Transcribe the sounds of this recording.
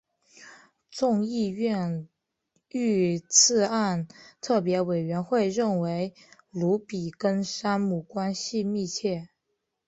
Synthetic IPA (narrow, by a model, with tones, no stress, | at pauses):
t͡sʊ˥˧ŋi˥˧ɥɛ˥˧n | y˥˧t͡sʰɹ̩˥˧a˥˩˧nt̪ʰɤ˥˩p̬jɛ˧˥we˨˩ɪɥɛ˧˥nxwe˥˧ɪɻə˥˩nwe˧˥ɪ | lu˧˥pi˨˩kə˥nʂa˥nmu˨˩kwa˥nɕi˥˧mi˥˧t͡ɕʰjɛ˥˩